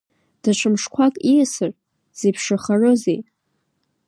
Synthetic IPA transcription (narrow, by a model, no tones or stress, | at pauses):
d̥at͡ʃʷʰɨmʂkʷʰakʼiasɨr | z̥ipʰʂaχarɨzḛj